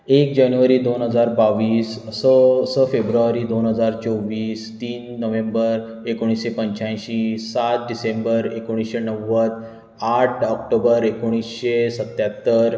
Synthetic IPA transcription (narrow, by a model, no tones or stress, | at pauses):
ek̚d͡ʑanjuʋəɾiːd̪onɦəd͡zaɾbaʋiːsːəsəfebɾuaɾiːd̪onɦəd͡zaɾt͡ɕoʋiːst̪iːnːəʋẽmbəɾ | ekoɽ̃isɕepəɲt͡ɕãj̃ɕisat̪̚ɖisembəɾekoɽ̃isɕenəʋːəd̪ | aʈʰɔk̚ʈobəɾekoɽ̃isɕesət̪jat̪ːəɾ